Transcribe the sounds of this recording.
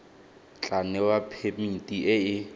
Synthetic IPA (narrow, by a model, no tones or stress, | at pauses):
t͡ɬʼanɛwapʰemitʼiʔɪɪ